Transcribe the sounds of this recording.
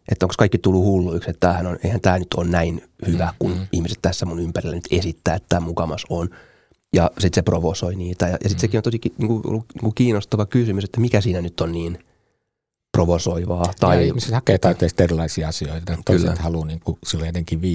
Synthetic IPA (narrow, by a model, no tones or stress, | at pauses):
ʔet̪ːæoŋkskɑikːit̪ulːuhulːuikset̪t̪ːæːhænonḛihænt̪æːnyt̪ʰo̰ːnnæin | hyʋækunihmiset̪t̪æsːæmunympærilːænyt̪esit̪ːæːet̪t̪æːmukɑmɑson | jɑsit̪seproʋosoiniːt̪æjɑ̰jɑ̰sit̪sekinont̪osikiniːŋkuo̰lːunḭːkukiːnost̪ɑʋɑkysymyset̪ːæmikæsiːnænyt̪ːonniːn | proʋosoiʋɑːt̪ɑiimisset̪hɑkeːt̪ɑit̪ːeːˑsi̥t̪erilˑɑisiɑɑsioit̪t̪ɑk̪oˑyslːeæ̰t̪hɑluːniːŋkusilːojet̪eŋkiʋʋi